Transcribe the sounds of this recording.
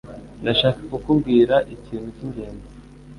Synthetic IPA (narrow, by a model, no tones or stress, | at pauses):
ndaʃaːkakukubɡiːɾaʔiciːnuciɲɟe̞ːnze